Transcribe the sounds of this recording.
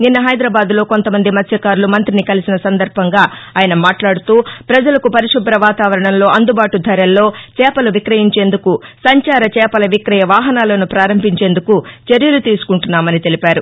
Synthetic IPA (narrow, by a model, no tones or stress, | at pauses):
ninːɐɦɐjd̪ɾaːbaːd̪lo̞ːko̞nt̪ɐmɐnd̪imɐt̪ʰjɐkaːɾulumɐnt̪ɾinikɐlisinɐsɐnd̪ɐɾbʱɐŋɡaːaːjɐnɐmaːʈlaːɽut̪uːpɾɐd͡ʒɐlɐkupɐɾiʂubɾɐʋaːt̪aːʋɐɾɐɳɐnlo̞ːɐnd̪ubaːʈud̪ʱɐɾɐlːo̞ːt͡ʃɛːpɐluʋikɾɐɦiɲt͡ʃe̞ːnd̪ukusɐɲt͡ʃaːɾɐt͡ʃɛːpɐlɐʋikɾɐjɐʋaːɦɐnaːlɐnupɾaːɾɐmbʱiɲt͡ʃe̞ːnd̪ukut͡ʃɐɾjɐlut̪iːsu̥kuɳʈunːaːmɐnit̪e̞lipaːɾu